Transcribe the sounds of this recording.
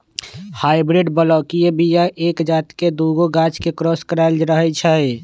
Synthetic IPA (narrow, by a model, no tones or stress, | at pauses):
haibɾiɖbəlɔkijebijaʔeːkd͡ʒat̪ked̪uɡoɡat͡ʃkekɾɔskəɾald͡ʒɾəɦɛt͡ʃʰəj